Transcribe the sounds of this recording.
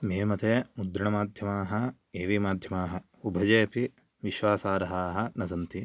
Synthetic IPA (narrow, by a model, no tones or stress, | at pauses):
meːmɐt̪eːmud̪ɾiɳɐmaːd̪ʱjɐmaːɦɐ | eːʋimaːd̪ʱjɐmaːɦɐ | ubʱɐd͡ʒeːɐpi | ʋiʃʋaːsaːɾɐɦaːɦɐ̆nɐsɐnt̪i